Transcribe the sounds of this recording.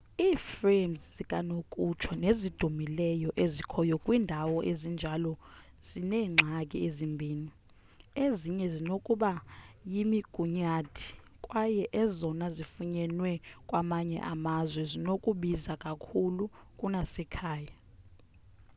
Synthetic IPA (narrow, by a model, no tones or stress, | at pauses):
iːfremzzikʼanokʼut͡ʃʰɔnezid̥ʱumilɛjɔʔezikʰɔjɔkʼwiːndʱawɔʔezind͡ʒʱalɔ | z̥inɛːŋ͡ǁʱakʼḭezimbʱiːni | eziɲɛzinokʼuɓajimiɡ̥ʱuɲatʰi̥ | kʼwajɛʔɛzɔnazifuɲɛnwɛkʼwamaɲɛ̰ʔamazwɛzinokʼuɓizakʼakʰulukʼunasɛkʰaːja